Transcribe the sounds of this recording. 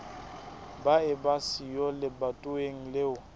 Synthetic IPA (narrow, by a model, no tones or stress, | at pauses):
baɪbasijɔlɪbatʼʊeŋ̩leʊ